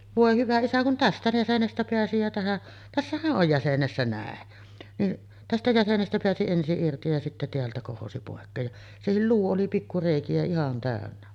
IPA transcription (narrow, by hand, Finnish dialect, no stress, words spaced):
ʋoˑe hyʋæ isæ kun tæstæ jæsenestæ peæsi jæ tæhæʔ tæsːæhæʔ ʔoj jæsenesːæ næˑen niʔ tæstæ jæsenestæ peæsi ensiʔ ʔirti jɑ sitːæ teæltæ kohosi poˑekːeːj jɑ sehil luː oli pikːu reˑikiæ ihɑn tæˑønːæ